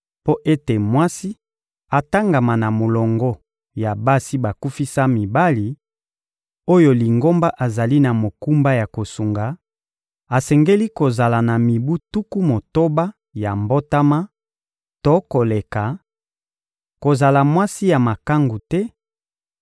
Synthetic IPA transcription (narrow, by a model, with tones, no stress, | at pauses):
po˦ʔe˦te˨mwa˦si˦ | a˨ta˦ŋɡa˨ma˨na˨mo˨lɔ˨ŋɡɔ˦ | ja˨ba˦si˦ba˨ku˦fi˦sa˦mi˨ba˦li˨ | o˦jo˨li˨ŋɡo˦mba˦ʔa˨za˨li˦na˨mo˨ku˦mba˦ja˨ko˨su˨ŋɡa˨ | a˨sɛ˨ŋɡe˦li˦ko˨za˨la˨na˨mi˨bu˦tu˦ku˦mo˨to˦ba˦ | ja˨mbo˦ta˦ma˦ | to˦ko˨le˨ka˨ | ko˨za˨la˨mwa˦si˦ja˨ma˨ka˦ŋɡu˨tɛ˦